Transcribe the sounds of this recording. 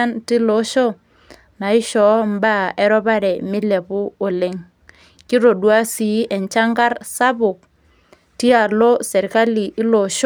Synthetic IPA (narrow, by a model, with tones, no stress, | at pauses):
a˦nti˦lo˨˦ʃo˦ | na˨i˦ʃɔ˨˦mba˦˨e˦ɾɔ˦ba˦ɾɛ˨mi˦le˨pu˦o˨le˦ŋ | ki˦ɾo˨dwa˦si˨˦ɛ˨ɲt͡ʃa˦ŋɡa˦ɾsa˦bʊ˨k̚ | ti˦a˨lo˦sɛ˨ɾka˦li˨ʔi˦lo˨ʃ